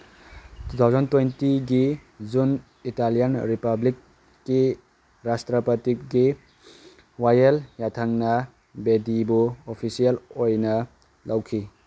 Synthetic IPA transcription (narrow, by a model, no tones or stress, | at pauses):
tut̪ʰawzɐntwentiɡizun | italijanɾipablikː | i | ɾastɾɐpɐtikɡi | wajeljatʰaŋnɐ | bedibuopʰisijalojnɐ | lʔawkʰi